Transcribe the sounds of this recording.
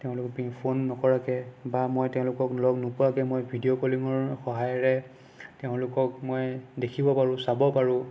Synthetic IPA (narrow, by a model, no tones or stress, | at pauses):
tɛʊ̃lʊkɔpiŋpʰonːɔkɔɹakɛbamojtɛʊ̃lʊkɔklɔɡnʊpʊɹakɛmojbʱidiokoliŋɔɹxɔɦajɔɹɛ | tɛʊ̃lʊkɔk̚mojdekʰibɔpaɹʊ̃sabɔpaɹʊ̃